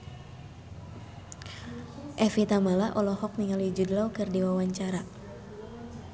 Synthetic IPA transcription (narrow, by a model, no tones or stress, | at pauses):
ʔɛfit̪amalaʔɔlɔhɔk̚niŋalid͡ʒudlawkɨrdiwawaɲt͡ʃaɾa